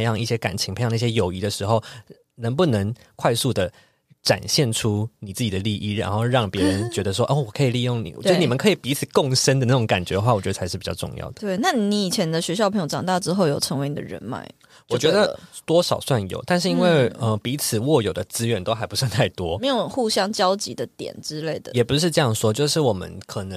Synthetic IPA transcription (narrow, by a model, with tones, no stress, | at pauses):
jɑ˥˧ŋi˥˩ɕjɛ˥ka˨˩nt͡ɕʰi˧˥ŋpʰjn˥˩ɕjɛ˥jo˨˩ʊi˧˥d̪ə˨ʂɻ̩˧˥xo˥˩ʊ | nə˧˥ŋp̬u˥˩nɤ˧˥ŋ | kʰwa˥˧ɪsu˥˩d̪ə˩ | ʈ͡ʂa̰˨˩nɕjɛ˥˩nʈ͡ʂʰu˦ni˨˩t͡sɹ̩˥˩t͡ɕi˨˩d̪ə˩˦li˥˧ʔi˥˩ɻa̰˧˥nxo˥˧ʊɻɑ˥˩ŋpjɛ˧˥ɻə˧˦nt͡ɕɥɛ˧˥d̪ə˧ʂwɔ˦˥ʔo˥˩wɔ˨˩kʰɤ˧˥i˨˩li˥˧jʊ˥˩ŋnḭ˨˩o˥˧˥ni˨˩ə˨nkʰɤ˧˥i˨˩pi˧˥t͡sʰɹ̩˨˩kʊ˥˨˩ŋʂə˥nd̪ə˨na˥˩ʊ˧˥ŋka˨˩nt͡ɕɥɛ˧˦d̪ə˧xwa˥˩wɔ˨˩t͡ɕɥɛ˧˥ə˧˩a˧ɪʂɻ̩˥˩pi˨˩t͡ɕɑ̰˥˧ʈ͡ʂʊ̰˥˧ŋjɑ̰˥˩ʊd̪ə˩t̪we˥˩ɪna˥˩ni˧˥i˨˩t͡ɕʰjɛ˧˥nd̪ə˧ɕɥɛ˧˥ɕjɑ˥˧pʰjʈ͡ʂɑ˨˩ŋt̪ɑ˥˩ʈ͡ʂɻ̩˥xo˥˩ʊjo˨˩ʊʈ͡ʂʰə˧˥ŋwe˧ɪni˨˩ə̰˧ɻə̰˧˥nma̰˥˩˦ɪ | wɔ˨˩t͡ɕɥɛ˧˥d̪ə˧t̪wɔ˥ʂɑ˨˩ʊswa˥˩njo̰˨˩ʊt̪a˥˧nʂɻ̩˥˩i˥nwe˥˩ɪə˧pi˧˥t͡s̩ʰ˨˩wɔ˥˩jo˨˩ʊd̪ə˦t͡sɹ̩˥ɥɛ˧˥nt̪o˥ʊxa˧˥ɪpu˧˥swa˥˧nt̪ʰa˥˩ɪt̪wɔ˦me˧˥jxu˥˩ɕjɑ˥ŋt͡ɕjɑ˥ʊt͡ɕḭ˧˥d̪ə˨t̪jɛ̰˨˩nʈ͡ʂɻ̩˦le˥˩ɪd̪ə˩jɛ˨˩pu˧˦ʂ̬ɻ̩˥˧ʈ͡ʂɤ˥˧jɑ˥˩ŋʂwɔ˥t͡ɕjo˥˧ʊʂɻ̩˥˩wɔ˨˩mə̰˦nkʰɤ˨˩nə˧˦